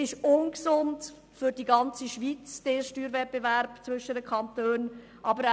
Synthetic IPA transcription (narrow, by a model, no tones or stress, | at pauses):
ɪʃʊnksʊnt | fʏɾdiɡɑnt͡siʃʋit͡sd̥eːʃtyːɾvɛt̚b̥evæɾb̥t͡svʏʃədəkʰɑntøːn | ʔɑbəɾ